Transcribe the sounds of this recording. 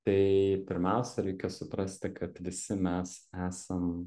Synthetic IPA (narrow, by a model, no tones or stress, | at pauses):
t̪ɐɪpʲɪɾʲmʲæˑʊsʲɛɾʲɛɪkʲɛsʊpɾɐsʲt̪ʲɪkɐt̪ʋʲɪsʲɪmʲɛsæːsɐm